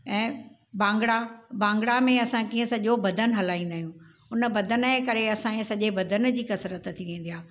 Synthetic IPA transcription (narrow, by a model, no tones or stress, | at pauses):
ɛ̃ː | bãːŋɡɽabãːŋɡɽamẽɐsãkĩːə̃sɐʄobɐd̪ʱənɦɐlaːĩːnd̪aːɦijũː | ʊnə̆bɐd̪ʱənekɐɾeɐsãẽsɐʄebɐd̪ʱən̆d͡ʑiːkɐsɾət̪t̪ʰiʋẽːn̆d̪ijaː